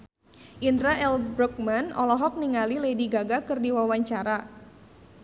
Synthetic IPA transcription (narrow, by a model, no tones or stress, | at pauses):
ʔindɾaʔɛlbɾɔk̚manɔlɔɦɔk̚niŋalilediɡaɡakɨrdiwawaɲt͡ʃaɾa